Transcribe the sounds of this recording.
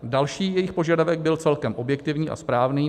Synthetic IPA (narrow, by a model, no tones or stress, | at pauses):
dalʃiːjɛjɪxpo̞ʒadavɛɡ̚bɪlt͡sɛlkɛmʔo̞bjɛk̚t̪ɪvɲiːʔa̰spɾaːvniː